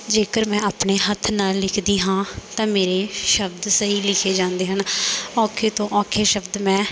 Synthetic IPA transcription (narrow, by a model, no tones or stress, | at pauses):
d͡ʒeːkəɾmɛ̃ːaːpneːɦət̪ʰːnaːlːɪkʰd̪iːɦãːt̪ãːmeːɾeːʃəbd̪səɦiːlɪkʰeːd͡ʒãːnd̪eːɦənɔːkʰeːt̪õːʔɔːkʰeːʃəbd̪mɛ̃ː